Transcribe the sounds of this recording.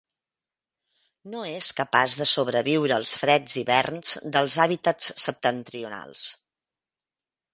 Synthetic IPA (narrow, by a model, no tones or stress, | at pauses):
noeskəpazðəsoβɾəβiwɾəːlˠsfɾɛd͡ziβɛrnz̥d̪əlˠzaβit̪ət͡ssəp̚t̪ənt̪ɾiuna̰lˠs